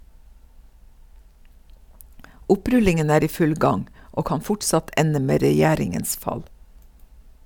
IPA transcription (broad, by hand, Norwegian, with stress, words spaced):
ˈʊˌpɾʉlɪŋən ˈæːɾ ˈiː ˈfʉl ˈɡɑŋ ˈoː ˈkɑn ˈfʊʈsɑt ˈʔɛnə ˈmeː ɾɛˈjæːɾɪŋəns ˈfɑl